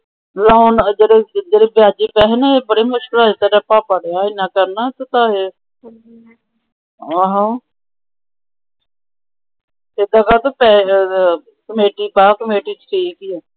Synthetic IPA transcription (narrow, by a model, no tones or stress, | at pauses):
lɔːnd͡ʒəɽeːd͡ʒəɽeːbjaːd͡ʒiːpɛːɦnɛeːbəɽeːmʊʃkəlaeːt̪aɾəpaːpəɽejaːɪnːãːkəɾnaːt̪ːt̪ãːɦeː | ɦãː | ed̪ãːkaːt̪opɛː | kəmeːʈiːpaːkəmeːʈiːt͡ʃʈʰiːkiːɛː